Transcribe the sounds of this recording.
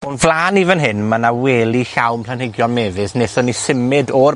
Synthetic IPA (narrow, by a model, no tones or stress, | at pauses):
ɔnvlˠaːnivənɦɪnmanaweːlˠixawmpʰl̥ˠanhɪɡjɔlˠmɛːvɨsnesɔnisɪmɨdɔr